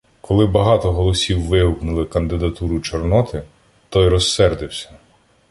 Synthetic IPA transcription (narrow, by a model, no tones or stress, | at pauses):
kɔlˠɪbɐɦɑt̪ɔɦɔlˠɔsʲiwːɪʊknʊlˠɪkɐnd̪ɪd̪ɐt̪uɾʊt͡ʃɔrnɔt̪ɪ | t̪ɔjɾɔsːɛrd̪ɪwsʲɐ̥